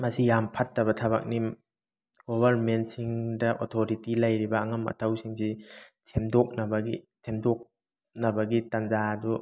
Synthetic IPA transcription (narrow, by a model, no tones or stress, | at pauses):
mɐsijampʰɐtːɐβɐtʰɐba̰k̚ni | ɡ̥obʱɐɾment̚siŋdɐʔotʰoɾitilɐjɾibɐːŋɐmɐ̰tʰɐwsiŋsi | sʰemdok̚nɐbɐɡḭsʰemdok̚ | nɐbɐɡitanzadu